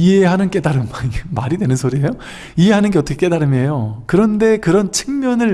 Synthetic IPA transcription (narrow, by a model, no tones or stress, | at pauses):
iɦeɦanɯnk͈e̞daɾɯmamaɾidwe̞nɯnsʰoɾiejo | iɦe̞ɦanɯnɡe̞ʌtʰʌkʰek͈e̞daɾɯmejokɯɾʌnde̞kɯɾʌnt͡ɕʰɯ̥ŋmjʌnɯɭ